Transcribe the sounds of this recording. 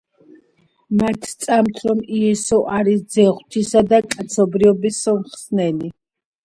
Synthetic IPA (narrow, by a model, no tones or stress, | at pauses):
mat̪ʰt̪sʼamt̪ʰɾɔmiɛsɔʔaɾisd̪zɛʁwt̪ʰisad̪akʼat̪sʰɔbɾiɔbisɔmχsnɛni